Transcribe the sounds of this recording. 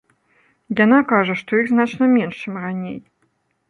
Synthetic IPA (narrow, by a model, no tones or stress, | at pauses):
janakaʐɐʂt̪ɔjiɣznat͡ʂnɐmʲɛnʂt͡ʂɨmranʲej